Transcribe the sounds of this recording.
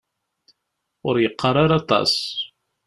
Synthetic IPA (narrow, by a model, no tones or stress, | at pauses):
ʊɾjəqːɑɾˤɑɾɑt̪ˤɑ̰s